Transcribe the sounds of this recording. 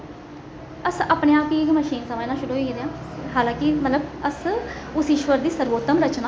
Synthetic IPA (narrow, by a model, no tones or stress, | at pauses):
əsaːpnẽːaːpiːɪkməʃiːnsəmãːenaːʃʊɽuɦoiːked̪eãːɦaːlãːkɪmət̪ləb̚əsʊsɪʃʋəɾd̪iːsəɾʋoːt̪əmɾət͡ʃnaː